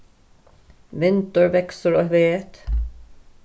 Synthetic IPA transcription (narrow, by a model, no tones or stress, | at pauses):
ʋɪnt̪əɹʋɛksəɹoːʋeːt̪